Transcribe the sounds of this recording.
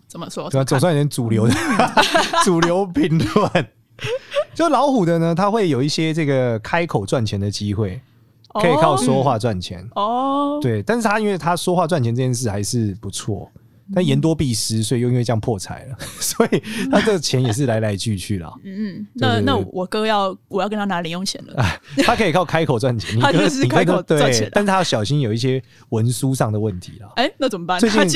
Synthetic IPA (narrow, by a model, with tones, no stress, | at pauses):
ə˨˩˥t͡so˨˩ŋs̬a˥˩n˨˩jnt͡su˨˩ljo˧˥ʊd̪ə | t͡su˨˩ljo˧˥ʊpi˨˥ŋlwa˨˦n | t͡ɕjo˥˧ʊ˥˩lɑ˧˥ʊxu˨˩d̪ə˧nə˦t̪ʰa˥xwe˥˩ɪjo˨˩ʊi˥˩ɕjɛ˦ʈ͡ʂɤ˥˩ɡə˨˩kʰa˥ɪkʰo˨˩ʊt͡swa˥˩nt͡ɕʰjɛ˨˥nd̪ə˨t͡ɕi˦˥xwe˥˩ɪ | ɤ˧˦˥i˨˩kʰɑ˥˩ʊswɔ˦xwa˥˧t͡swa˥˩nt͡ɕʰjɛ̰˧˦nt̪we˥˩ɪt̪a˥˧nʂɻ̩˥˩t̪ʰa˥˦i˥nwe˥˩ɪt̪ʰa˦˥swɔ˥xwa˥˧t͡swa˥˩nt͡ɕʰɛ˧˦nt͡sʈ͡ʂɤ˥˧t͡ɕjɛ˥˧nʂ̬ɻ̩˥˩xa˧ɪʂɻ̩˥˩pu˨˦t͡sʰwɔ̰˥˩ | t̪a˥˩nʂ̩˥˩jɛ˧˥nt̪wɔ˥pi˥˩ʂɻ̩˧˦s̬we˥˩ɪjo˥˩ʊi˦wjɑ˥˧ŋpʰwɔ˥˨t͡sʰa̰˨˥˦ɪlə˨˩swɔ˧˦i˨˩t̪ʰa˥t͡sə˥ɡə˩t͡ɕʰjɛ˧˦njɛ˨˩ʂ̬ɻ̩˥˩la˧˥ɪla˧˥ɪt͡ɕy˥˧t͡ɕʰy˥˩lə̰˩˥˩t͡ɕjo˥˧a˥˩˥na˥˩˨wʔɔ˨˩kɤ˥jɑ˥˩ʊwɔ˨˩jɑ˥˩kə˥˦nʰa˥na˧˥li˧˥njo˥˩ŋt͡ɕʰjɛ̰˧˦nlə̰˧˦a˨˩t̪ʰa˥kʰɤ˧˥i˨˩kʰɑ˥˩ʊkʰa˥ɪkʰo˨˩ʊt͡swa˥˩nt͡ɕʰjʰɛ˧˦ni˨˥kk̪t̪we˥˩˧ɪ˧˦a˥˧nʂ̩˥˩t̪ʰa˥˩ɕjɑ˨˩ʊɕi˦˥njo˨ʊi˥˩ɕ̬jɛ˥ | wə˧˦nsu˦ʂɑ˥˩ŋd̪ə˩wə˥˩nt̪ʰḭ˨˦lə˩e˥na˥˩t͡sə˨˩m˨˩pa˥˧nt͡swe˥˧t͡ɕi˥˨n